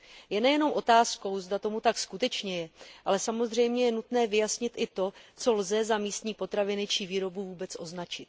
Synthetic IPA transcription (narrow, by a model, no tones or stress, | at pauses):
jɛnɛjɛno̞mʔo̞t̪aːsko̞wzdat̪o̞mut̪akskut̪ɛt͡ʃɲɛjɛʔalɛsamo̞zr̝ɛjmɲɛjɛnut̪nɛːvɪjasɲɪt̪ʔɪt̪o̞t͡so̞lzɛzamiːst̪ɲiːpo̞t̪ɾavɪnɪt͡ʃiviːɾo̞buvuːbɛt͡sʔo̞znat͡ʃɪt̪